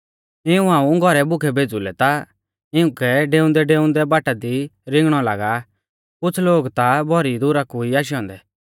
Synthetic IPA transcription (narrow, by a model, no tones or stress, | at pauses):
ɪũãːũɡʱɔɾɛbʊkʰɛbʱeːd͡zulɛt̪a | ɪũkɛɖeːʊ̃nd̪ɛɖeːʊ̃nd̪ɛbaːʈad̪iɾɪ̃ŋɡɽ̃ɔla̰ːɡa | kʊt͡sʰloːɡt̪abʱɔɾid̪ʊɾakuiaːʃ̬iɔ̃ːnd̪ɛ